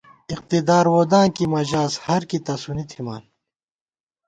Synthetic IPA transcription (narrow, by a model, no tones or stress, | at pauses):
iq̚t̪id̪aːɾwoːd̪ãːnkimɐʑaːshɐɾkit̪ɐsunit̪ʰima̰ːn